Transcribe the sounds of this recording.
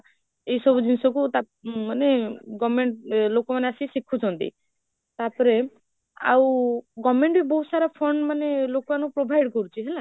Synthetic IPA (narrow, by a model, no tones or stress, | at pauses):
ejsɔbud͡ʒinsɔkut̪a | maneɡɔmeɳʈlokɔmaneasisikʰːut͡ʃʰɔnt̪ḭ | t̪aɾpɔɾe | a̰wɡɔmːeɳʈbibousaɾapʰɔɳɖmanelokɔanupɾobʱajɖkɔɾut͡ʃʰiɦɛla